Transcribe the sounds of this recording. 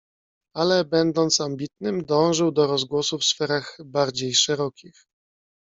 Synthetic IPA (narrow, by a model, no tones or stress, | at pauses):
alɛbɛnd̪ɔnt̪sambʲit̪nɘmd̪ɔ̃w̃ʐɘwd̪ɔɾɔzɡwɔsufsfɛɾaɣbaɾd͡ʑejʂɛɾɔkʲix